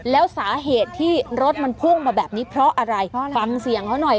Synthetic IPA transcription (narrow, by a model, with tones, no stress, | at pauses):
lɛː˦˥wsaː˩˦ɦeː˨˩t̪ʰːiː˥˩ɾo˦˥t̪̚ma˧npʰu˥˩ŋmaː˧bɛː˨˩p̚niː˦˥pʰɾɔ˦˥ʔa˧ɾa˧jfa˧ŋsi˨˩əŋt̪ʰa˦˥wnɔ˨˩j